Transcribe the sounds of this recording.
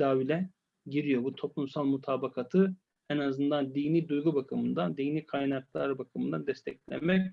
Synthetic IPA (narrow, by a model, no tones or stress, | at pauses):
d̪aːvilʲɛ | ɟiɾijo̞but̪ʰo̞plˠumsalˠmut̪ʰaːbakʰat̪ʰɯ | ɛnazɯnd̪and̪iːniːd̪ujɡubakʰɯmɯnd̪ad̪ijniːkʰajnaklˠa̰ɾbakʰɯmɯnd̪ad̪ɛst̪ʰɛ̰clʲæ̰nmɛc